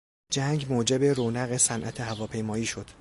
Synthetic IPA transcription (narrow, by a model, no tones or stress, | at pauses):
d͡ʒæŋɡmoːd͡ʒe̞be̞ɾoːnæɣe̞sænʔæt̪ʰehævɒːpʰe̞jmɒːiːʃo̞d̪̥